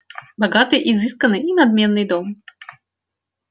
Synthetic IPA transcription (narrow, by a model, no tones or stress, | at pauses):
baɡat̪ɨʔizɨskɐnɨinad̪̚mʲɛnːɨjd̪ɔm